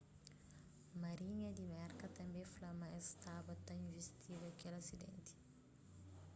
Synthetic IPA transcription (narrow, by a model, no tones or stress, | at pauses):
mɐɾiɲɐd̪imɛɾkɐt̪ɐmbeflɐmɐɛst̪abɐt̪ɐinvist̪ʰiɡɐkɛlɐsid̪ḛnt̪i̥